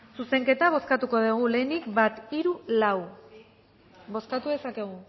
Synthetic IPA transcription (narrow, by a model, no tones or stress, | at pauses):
suse̞ŋke̞t̪aβ̞o̞skat̪uko̞ðeɣ̞ule̞ːnikbat̪iɾulaw | bo̞skat̪uðe̞sake̞ɣ̞u